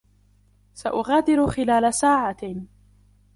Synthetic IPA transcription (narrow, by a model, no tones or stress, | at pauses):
saʔʊɣaːd̪ɪɾʊxɪlaːlasaːʕa